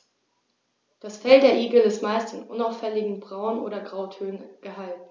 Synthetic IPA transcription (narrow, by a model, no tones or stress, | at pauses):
d̥asfɛldeːɐʔiːɡl̩ɪstmaɪstɪnʔʊ̰naʊfɛlɪɡŋ̩bʁaʊnʔo̰ːɾɐɡʁaʊtʰøːnnɡ̥əɦalt̩